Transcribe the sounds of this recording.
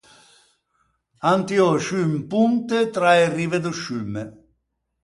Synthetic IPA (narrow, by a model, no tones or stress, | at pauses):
ant̪iɔʃympunt̪et̪ɾaerːived̪uʃyme